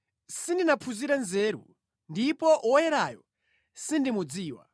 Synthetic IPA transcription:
sindinapʰuziɾanzɛːɾṵ | ndipɔʔɔjɛɾajɔ | sindimud͡ziːwa̰

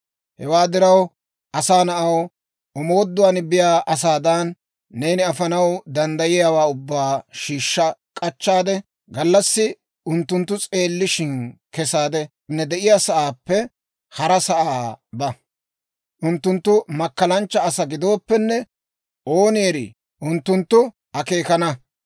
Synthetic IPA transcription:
hɛwaːd̪ɪɾɐw | ʔɐsaːnɐʔɐw | ʔɔmo̞ːd̪ːʊwanɪbɪjaːʔɐs̬aːd̪ɐnː | e̞ːnɪɐfɐnɐwd̪ɐnd̪ɐjɪjaːwaːʊbːaːʃiːʃːɐkʼɐt͡ʃːaːd̪ɛ | ɡɐlːɐsːɪ | ʔʊnt̪ːʊnt̪ːʊt͡sʼe̞ːlːɪʃɪnkɛsaːd̪ɛ | nːɛd̪ɛʔɪjaːsɐʔaːpːɛ | hɐɾɐsɐʔaaːbɐ | ʔʊnt̪ːʊnt̪ːʊmɐkːɐlɐnt͡ʃːɐːsɐɡɪd̪o̞ːpːɛnːɛ | ʔo̞ːnjːɾḭ | ʔʊnt̪ːʊnt̪ːʊ | ɐkeːkɐnɐ

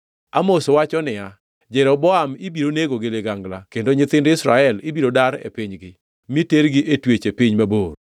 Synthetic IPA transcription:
amosowat͡ʃɔnɪa | d͡ʒɛɾɔbɔamɪbiɾoneɡoɡeleɡaŋɡlakendoɲɪt̪ɪndɪsɾaɛlɪbiɾodaɾḛpɪɲɡɪ | miteɾɡɪʔetwet͡ʃepiɲmaboɾ

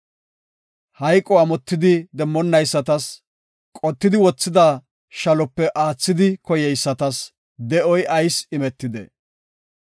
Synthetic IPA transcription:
hɐjkʼːɔaːmɔt̪ːɪd̪ɪd̪ɛmːɔnːɐjsːɐt̪ɐs | kʼɔt̪ːɪd̪ɪwɔt͡sːɪd̪a | ʃɐlɔpːɛʔaːt͡sːɪd̪ɪkɔjɛjsːɐt̪ɐs | d̪ɛʔɔjɐjsɪmɛt̪ːɪd̪ɛ̰

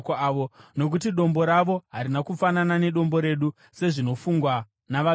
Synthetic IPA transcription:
kːʋono̞k̬utiɗo̞mbo̞ɾaʋo̞ɦaɾinakufananane̞ɗo̞mbo̞ɾe̞ɗu | se̞ʐino̞fuŋɡwa | naʋa

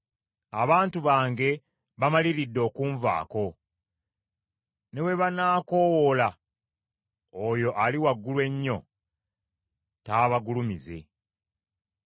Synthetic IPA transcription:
aβaːntuβaːŋɡe̞ | βamaliɾidːo̞ːkuːɱva̰ːko̞ | ne̞we̞βanaːko̞wola | ojo̞ʔaliwaɡːulwe̞ɲːo̞ | taːβaɡulumize̞̰

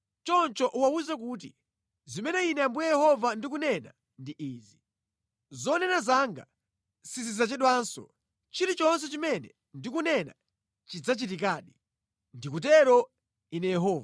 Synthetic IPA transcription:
t͡ʃɔnt͡ʃɔʔuwauzɛk̬uːt̬ḭ | zimɛnɛinɛambujɛjɛhɔvandik̬unɛna̰ | ndiʔiːzi | zɔnɛnazaŋɡa̰ | sizizat͡ʃɛɗwansɔ̰ | t͡ʃiɾit͡ʃɔns̬ɛt͡ʃimɛnɛ | ndikunɛna̰ | t͡ʃid͡zat͡ʃitik̬aːɗi | ndikut̬ɛɾɔ | inɛjɛɦɔːva

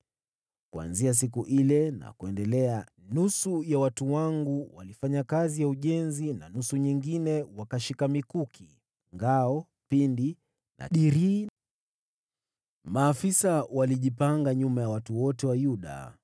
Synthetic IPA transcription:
kua̰nzias̬ik̬uʔilɛna̰kuɛndɛlɛa | nusujawatuwaŋɡuwa̰lifaɲakazijauʄɛnzinanusuɲiŋɡinɛwakaʃikamikukʰi | ŋɡaɔ | pindi | nʔa̰ɗiɾi | maːfisawaliʄipaŋɡaɲumajawatuwɔtɛwajuɗa̰

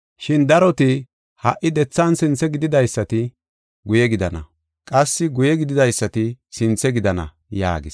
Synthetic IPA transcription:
ʃɪnd̪ɐɾɔt̪ɪ | hɐ̰ʔɪd̪ɛt͡sːaːnsɪnt͡sːɛɡɪd̪ɪd̪ɐjsːɐt̪ɪ | ɡʊjɛɡɪd̪ɐnɐ̰ | kʼɐsːɪɡʊjɛɡɪd̪ɪd̪ɐjsːɐt̪ɪsɪnt͡sːɛɡɪd̪ɐnɐ̰ | ja̰ːɡɪs

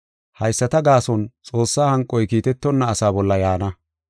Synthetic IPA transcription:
hɐjsːɐt̪ɐɡaːsɔnt͡sʼo̞ːsːaːhɐŋkʼːɔjkiːt̪ɛt̪ːɔnːɐːsaːbɔlːɐjaːnɐ

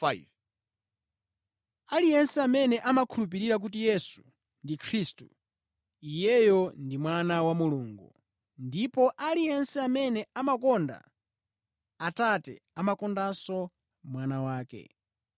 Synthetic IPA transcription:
alijɛnsɛamɛnɛʔamakʰulup̬iɾiɾak̬ut̬ijɛsu̥ | ndikʰɾistṵ | ijɛjɔndimwanawamuluːŋɡṵ | ndipɔʔalijɛnsɛamɛnɛamakɔnda̰ | tatɛ̰amakɔndasɔ | mwanawaːkɛ̰

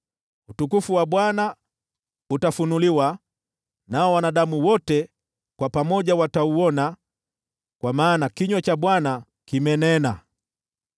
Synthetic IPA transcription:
utukufuwaɓwana | utafunuliwa | naɔwanaɗamuwɔtɛ | kwapamɔʄawatauwɔna | kwamaːnakiɲwɛt͡ʃaɓwana | kimɛnɛna

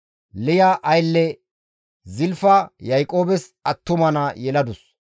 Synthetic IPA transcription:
lɪjaʔɐjlːɛ | zɪlfɐjɐjkʼo̞ːbɛsɐt̪ːʊmɐnɐjɛlɐd̪ʊs

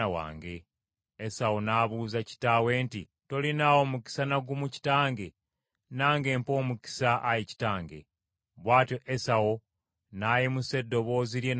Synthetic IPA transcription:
awa̰ːŋɡe̞ː | sawo̞naβuzaci̥tawe̞ːnti | to̞linawo̞muki̥sanaɡumuci̥taːŋɡe̞ | naːŋɡe̞ːmpo̞ːmuki̥saʔːjici̥taːŋɡe̞̰ | βwaːtjo̞ʔesawo̞ | naːjemuse̞dːo̞βo̞ːzilje̞

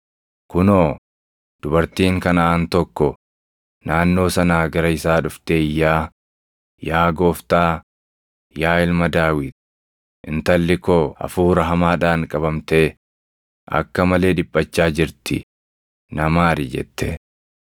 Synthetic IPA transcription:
kʊnoː | d̪̥ʊbɐɾt̪iːŋkɐnɐaːnt̪ɔkːɔ | naːnːo̞ːsɐnaːɡɐɾɐɪsaːᶑʊft̪eːjːaː | jaːɡo̞ːft̪aː | jaːɪlmɐd̪aːwɪd̪ | ʔɪnt̪ɐlːɪkoːɐ̰fuːɾɐɦɐmaːᶑaːŋkʼɐbɐmt̪e̞ː | ʔɐ̰kːɐmɐle̞ːᶑɪbʼːɐt͡ʃːaːd͡ʒɪɾt̪ɪ | nɐmaːɾɪd͡ʒɛ̰t̪ːɛ

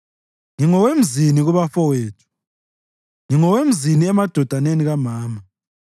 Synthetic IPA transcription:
ŋiŋɔwem̩ziniɣuβafɔweːtʰu̥ | ŋiŋɔwem̩ziniɛmad̥ʱɔd̥ʱaneniɣamaːma

